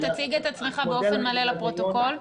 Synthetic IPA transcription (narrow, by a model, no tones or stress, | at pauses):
t̪at͡siɡet̪at͡sme̞χabeo̞fenmale̞lepʁo̞t̪oko̞l